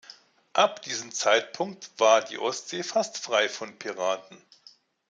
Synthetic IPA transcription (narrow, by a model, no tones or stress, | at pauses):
ʔap̚d̥iːzəmt͡saɪt̚pʰʊŋk̚tv̥aːɐdḭːʔɔstz̥eːfastfʁ̥aɪfɔnpʰiʁaːtn̩